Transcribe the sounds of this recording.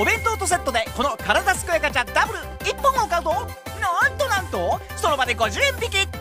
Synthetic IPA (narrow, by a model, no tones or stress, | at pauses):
obẽ̞nt̪ot̪os̬e̞t̪ːo̞d̪e̞ko̞no̞kaɾad̪asɨ̥kɯ̟jakat͡ɕad̪abɯ̟ɾɯ̟ | ipːõŋaokaɯt̪o | nont̪onãnt̪o | ssono̞bad̪e̞ɡo̞ʑɨːẽmbʲikʲi